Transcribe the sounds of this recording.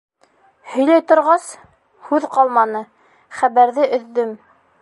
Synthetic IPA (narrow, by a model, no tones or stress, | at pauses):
hɵ̆jlæjt̪ŏɾʁɑs | hʉðqɑlˠmɑnɤ | χæβæɾðɘʔɵ̆ðːɵm